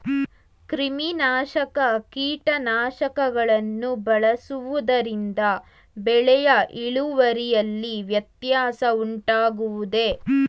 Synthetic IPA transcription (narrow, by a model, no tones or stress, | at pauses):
kɾiminaːʃɐkɐkiːʈɐnaːʃɐkɐɡɐɭɐnːubɐɭɐsuʋud̪ɐɾind̪ɐ | bɛɭɛjɐʔiɭuʋɐɾijɐlːiʋjɐt̪jaːsɐuɳʈaːɡuʋud̪e̞